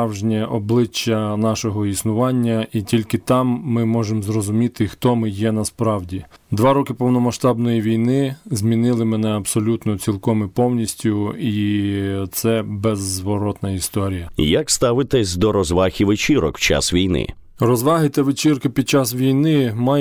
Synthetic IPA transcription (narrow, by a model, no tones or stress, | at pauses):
wʒnʲɛʔɔblˠɪt͡ʃːɐnɑʃɔɦɔisnʊʋɑnʲːɐitʲilʲkɪt̪ɑmːɪmɔʒemzrɔzʊmʲit̪ɪxt̪ɔmɪjɛnɐspɾɑwdʲid̪ʋɑɾɔkɪpɔwnɔmɐʃt̪ɑbnɔjiʋʲijnɪzmʲinɪlˠɪmɛnɛɐbsɔlʲut̪nɔt͡sʲilˠkɔmɪpɔwnʲisʲtʲʊi | t̪sɛbɛzːʋɔɾɔt̪nɐist̪ɔɾʲijɐjakst̪ɑʋɪt̪ɛsʲd̪ɔɾɔzʋɑxʲiʋɪt͡ʃiɾɔkwt͡ʃa̰sʋʲijnɪ̰ | rɔzʋɑɦɪt̪ɛʋɪt͡ʃirkɪpʲid̪̚t͡ʃɑsʋʲijnɪmɑj